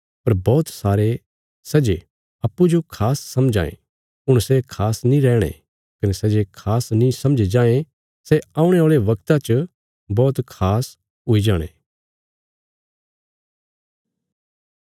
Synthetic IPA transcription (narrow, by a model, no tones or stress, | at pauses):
pɐɾbɔːt̪saːɾe | sɐd͡ʒe | ɐpːud͡ʒokʰaːsːɐ̃md͡ʒa̰ːḛ̃ | ʊɽ̃sekʰaːsnĩɾɛːɽ̃ḛ | kɐnɛsɐd͡ʒekʰaːsnĩsɐ̃md͡ʒed͡ʒãːẽ | sɛãːʊ̃ɽ̃eoːɭeʋɐkt̪at͡ʃ | bɔːt̪kʰaːs | ɦʊid͡ʒaːɽ̃ḛː